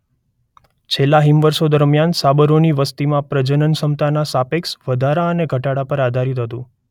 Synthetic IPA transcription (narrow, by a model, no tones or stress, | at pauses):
t͡ʃʰelːaɦimʋəɾsod̪əɾmjansabəɾoniʋəst̪imãpɾəd͡ʒənənsəmt̪anasapeksʋəd̪ʱaɾaəneɡʱəʈaɽapəɾad̪ʱaɾit̪ɦət̪ũ